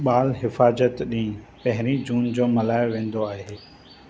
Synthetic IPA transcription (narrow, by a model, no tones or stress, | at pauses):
ɓaːlɦɪfaːzət̪ɗĩːpɐ̃ɦɪɾid͡ʑuːnd͡ʑoːmɐlaːɪʋẽːn̆d̪oaːɦeː